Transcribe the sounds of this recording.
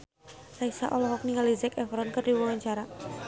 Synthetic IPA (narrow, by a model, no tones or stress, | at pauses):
raisa̰ʔɔlɔɦɔk̚niŋalizɛkɛfɾɔnkərdiwɔwaɲt͡ʃaɾa